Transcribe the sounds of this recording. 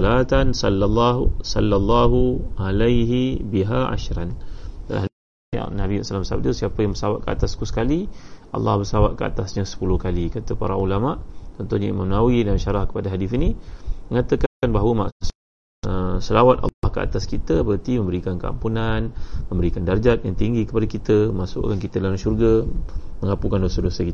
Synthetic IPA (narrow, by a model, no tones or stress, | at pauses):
lat̪ansɑlːalːasɑlːalˤːaɦualajɦibiɦaʔa̰ʃɾanda̰la̰hɦa̰ | nabisalambəsa̰b̚dəsiapəjaŋbərsawat̪̚kəa̰t̪askusə̥kaliʔɑ̰lːɑ̰hbərsawat̪̚kəa̰t̪asɲasə̥pulʊhkalikat̪əpaɾa̰ulamaʔt̪ɔnt̪uhɲaḭmamnawidanʃaɾahkə̥padaɦadifiniməŋat̪əkaanbaɦawəma̰ʔs | əsəlawat̪ɑ̰lɑhkəa̰t̪askit̪əbəɾat̪imə̃mbəɾikankəa̰mpunanmə̃mbəɾikandard͡ʒat̪̚ja̰ŋt̪iŋɡikəpadakit̪əməmasʊ̰ʔkankit̪ədalamʃurɡaməŋapukandosədosəkit̪